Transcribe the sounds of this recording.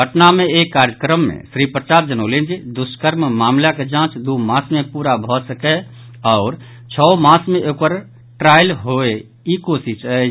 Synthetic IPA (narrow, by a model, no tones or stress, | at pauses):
ɡʱəʈnamẽeːkːaːɾjəkɾəmːḛ̃sɾipɾət͡ʃaːt̪̚d͡ʒənolẽnd͡ʒd̪ʊskəɾmmaːmlaked͡ʒãːt͡ʃd̪umãːsmẽpuːɾabʱɔsəkɛ | ɔʊɾ | t͡ʃʰɔmãːsmẽʔokpəɾ | ʈɾaːɪlɦoe | ikoːsiʃə